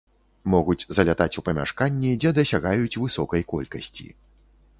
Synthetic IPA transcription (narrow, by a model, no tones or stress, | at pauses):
mɔɣut͡sʲzɐlʲat̪at͡sʲupɐmʲa̰ʂkanʲːid͡zʲɛd̪ɐsʲaɣajut͡sʲvɨsɔkɐjkɔlʲkɐsʲt͡sʲḭ